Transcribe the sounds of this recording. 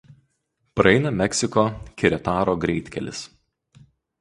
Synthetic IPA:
pɾɐɛɪnɐmʲɛkʲsʲɪkoːkʲɪɾʲɛt̪ɑːɾoːɡɾʲɛɪt̪ʲkʲɛ̰lʲɪ̰s

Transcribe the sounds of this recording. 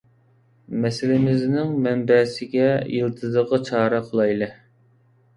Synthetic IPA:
mɛsɪlɪmɪznɪŋmɛmbɛːsɪɡʲɛjɨlˠt̪ʰɨzəʁət͡ʃʰɑːɾɑqʰəlˠɑjlˠɨ

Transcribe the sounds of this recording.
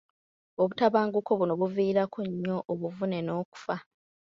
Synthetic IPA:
o̞βutaβaːŋɡukoβunoβuviːɾakʰoɲːo̞ʔːβuvune̞no̞ːku̥fa

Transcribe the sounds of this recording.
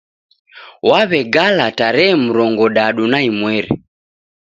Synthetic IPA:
waβɛɡalataɾɛːm̩ɾɔŋɡɔɗaɗunaimwɛɾɛ̰

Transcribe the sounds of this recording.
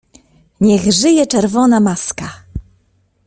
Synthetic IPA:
ɲɛɣʐɘjɛt͡ʂɛɾvɔnamaska

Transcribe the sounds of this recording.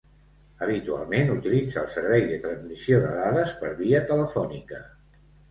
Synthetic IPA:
əβ̞it̪ua̰lˠmenut̪ilid͡zəːlˠsəɾβɛjðət̪ɾənzmisioðə̰ðaðəspəɾβiət̪ələfɔnikə

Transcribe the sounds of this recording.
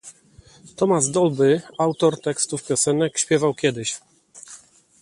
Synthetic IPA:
t̪ɔmazd̪ɔlbɘawt̪ɔɾt̪ɛkst̪ufpʲjɔsɛnɛkɕpʲjɛvawkʲɛd̪ɘɕ

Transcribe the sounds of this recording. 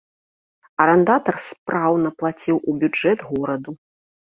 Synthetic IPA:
ɐɾɛnd̪at̪ɐrspɾawnɐplˠat͡sʲiwʔubʲud͡ʐɛd̪ɣɔɾɐd̪u

